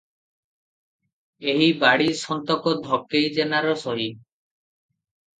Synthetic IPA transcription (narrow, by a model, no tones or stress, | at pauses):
eɦibaɽisɔnt̪ɔkɔd̪ʱɔkːejd͡ʒenaɾɔsɔɦi